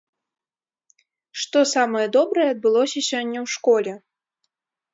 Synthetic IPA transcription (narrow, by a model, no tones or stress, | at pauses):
ʂt̪ɔsamɐjɐd̪ɔbɾɐjɛɐd̪̚bɨlˠɔsʲɐsʲɔnʲːɛwʂkɔlʲɛ